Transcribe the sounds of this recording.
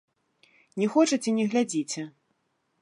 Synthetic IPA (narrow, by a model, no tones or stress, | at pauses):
nʲɛxɔt͡ʂɐt͡sʲɛnʲɛɣlʲad͡zʲit͡sʲɛ